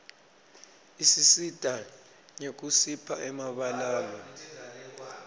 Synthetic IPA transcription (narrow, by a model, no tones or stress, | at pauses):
isisid̥ʱa | ɲek̬usipʰaʔɛmaɓalaːlɔ